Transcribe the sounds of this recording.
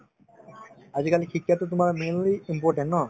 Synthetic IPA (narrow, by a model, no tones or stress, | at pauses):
ad͡ʑkalikʰikːat̪ot̪umaɾmenliimpoɾʈẽɳʈnɔ